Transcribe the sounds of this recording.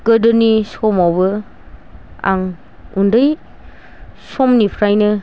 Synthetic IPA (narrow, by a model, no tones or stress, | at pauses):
kədɔnisomawbɐ | a̰ŋ | undəj | somnipʰɾajnɯ